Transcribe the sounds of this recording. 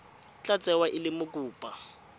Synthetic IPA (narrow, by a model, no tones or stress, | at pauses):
t͡ɬʼat͡sʼɛwaʔɪlɪmʊkʼuːpʼa